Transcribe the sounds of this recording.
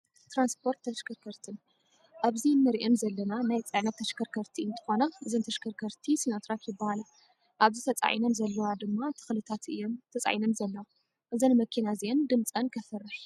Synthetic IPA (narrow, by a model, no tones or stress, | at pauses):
t̪ɾanspʰo̞ɾt̪ʰːɐʃkʰɐɾkʰɐɾt̪ʰɨn | ʔaβzinːɨɾiʔenzɐlːɐnanajt͡sʼɨʕnɐt̪ʰːɐʃkʰɐɾkʰɐɾt̪ʰiɨnt̪ʰʼɨ̥xo̞naʔɨzɨnt̪ʰɐʃkʰɐɾkʰɐɾt̪ʰisinot̪ʰɾatjɪbːahalɐ | ʔaβzit̪ʰɐt͡sʼa̰ʕḭnɐnzɐlːɐwad̪ɨmːat̪ʰɨ̥xlɨt̪ʰat̪ʔɨ̰jomt̪ʰɐt͡sʼa̰jinɐnzɐlːɐwa | ʔɨzɐnmɐkʰinaziʔend̪ɨmt͡sʼɐnkʰɐfɨrːɨħ